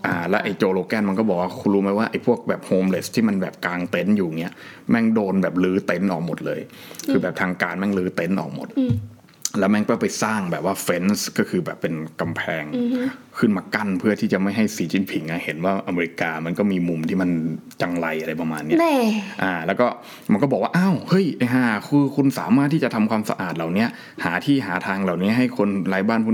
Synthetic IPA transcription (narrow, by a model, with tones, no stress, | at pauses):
ʔaː˨˩lɛː˦˥wʔa˧jt͡ɕoː˧loː˧kɛː˧˩nma˧nkɔ˥˩bɔ˨˩k̚waː˥˩kʰu˧luː˦˧˥ma˦˧˥waː˥˩ʔa˧jpʰu˥˩ək̚bɛː˨˩p̚hoː˧mle˦˥st̪ʰːiː˥˩ma˧nbɛː˨˩p̚kaː˧ŋt̪e˦˥njuː˨˩ŋi˦˥ɐ | mɛ˥˩ŋdoː˧nbɛː˨˩p̚lɯː˦˥t̪e˦˥nʔɔː˨˩k̚mo˨˩t̪̚lɤː˧j | kʰɯː˧bɛː˨˩p̚t̪ʰaː˧ŋkaː˧nmɛ˥˩ŋlɯː˦˥t̪e˦˥nʔɔ̰ː˨˩k̚mo˨˩t̪̚ | lɛː˦˥wmɛ˥˩ŋkɔː˥˩pa˧jsaː˥˩ŋbɛː˨˩p̚waː˥˩fe˦˥nskɔː˥˩kʰɯː˧bɛː˨˩pːe˧nka˧mpʰɛː˧ŋkʰɯ˥˩nmaː˧ka˥˩npʰɯ˥˩ɐt̪ʰiː˥˩t͡ɕa˨˩ma˥˩jɦa˥˩jsiː˨˧˦t͡ɕi˧npʰi˨˩˦ŋʔa˧˩he˩˦nwaː˥˩ʔa˧meː˧ɾi˧kaː˧ma˧nkɔː˥˩miː˧mu˧mt̪ʰiː˥˩ma˧n | t͡ɕa˧ŋla˧jʔa˧ɾa˧jpa˧maː˧nː˦˥ʔaː˧˩lɛː˦˥wkɔː˥˩ | ma˧nkɔː˥˩bɔː˨˩k̚waː˥˧ʔa˧˥˩whɤ˦˥˩jʔe˧ɦaː˧˩kʰɯː˧kʰu˧nsa̰ː˩˦maː˥˩t̪ʰːiː˥˩a˨˩t̪ʰa˧mkwaː˧msa̰˧ʔa̰ː˨˩t̪̚la˨˩wni˦˥ɐ | haː˩˦t̪ʰiː˥˩ɦaː˩˦t̪ʰaː˧ŋla˨˩wni˦˥ɐ˧ɦa˥˩jkʰo˧nlaː˧˥jbaː˥˩npʰuː˥˧˨